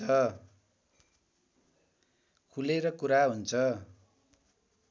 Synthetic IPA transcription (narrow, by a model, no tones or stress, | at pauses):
ʌ | kʰuleɾʌkuɾaɦunt͡sʰʌ